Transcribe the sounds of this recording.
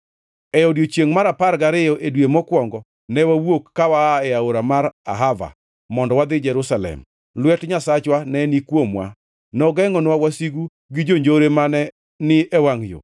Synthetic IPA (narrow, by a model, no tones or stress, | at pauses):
ɛodjot͡ʃjeŋmaɾapaɾɡaɾɪjɔʔedwemɔkwɔŋɡɔ | nɛwawokːawaɛaoɾamaɾa̰ɦava̰ | mɔndɔwad̪ɪd͡ʒɛɾusalɛ̰m | lwɛtɲasat͡ʃwanɛnikwomwa̰ | nɔɡɛŋɔnwawasiɡu | ɡɪd͡ʒoɲd͡ʒoɾemanɛ | nɪɛwaŋjo̰